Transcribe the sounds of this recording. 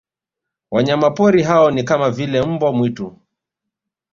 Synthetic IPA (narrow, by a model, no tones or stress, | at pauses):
waɲamapɔɾiɦaɔnikamavilɛm̩bwamwitu